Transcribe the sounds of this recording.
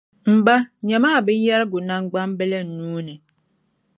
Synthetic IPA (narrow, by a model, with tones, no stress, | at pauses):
m̩˨ba˦ɲa˨ma˦˨bi˦n̩˦ja˦ɾɡu˨na˦ŋ͡m̩˨ɡ͡ba˦m̩˦be˦le˦n̩˨nuː˦ne˨